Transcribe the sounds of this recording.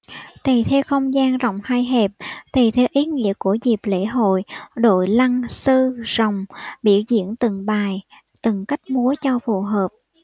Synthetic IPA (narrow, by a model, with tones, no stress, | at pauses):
t̪ʰi˨˩t̪ʰe˧wxə˧wŋ͡mzaː˧nzɔ̰˧˨wŋ͡mhaː˧jɦɛ˨˩p̚t̪ʰi˨˩t̪ʰɛ˧wʔi˨˦ŋḭ˧˥əku˧˩əzi˨˩p̚lḛ˧˥ɦo̰˧˨jɗo̰˧˨jla˧ŋsɨ˧z̥ə˨˩wŋ͡mɓḭ˧˩əwzḭ˧˥ənt̪ɨ˨˩ŋɓaː˨˩j | t̪ɨ˨˩ŋka˦˥jk̟̚mu˨˦ət͡ɕɔ˧fu˨˩ɦəː˨˩p̚